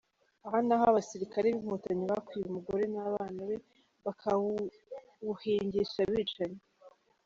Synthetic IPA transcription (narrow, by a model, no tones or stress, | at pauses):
ahanaɦaβasiɾikaɾeβim̥huːtaɲiβakwiːumuɡo̞ɾe̞naβaːnaβe̞ | βakʰa | uheːɲɟeʃaβiːt͡ʃaɲe